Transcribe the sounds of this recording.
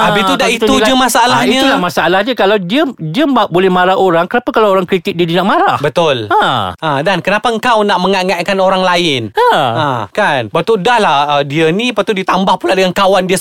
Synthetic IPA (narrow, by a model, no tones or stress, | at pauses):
aiudaʔit̪uulad͡ʒəmasaalahiɲalahmasaalahɲəkalawdiədiəbaʔbolɛhmaɾahʔoɾaŋkənapakalawoɾaŋkɾit̪ɪk̚didənaʔ̚maɾahbət̪ʊlaadankənapaəŋkawnaʔmə̃ŋaŋakanoɾaŋlaɪnaãkanbət̪udahlahədiənĩpat̪udit̪ambahpuladəŋankawandiə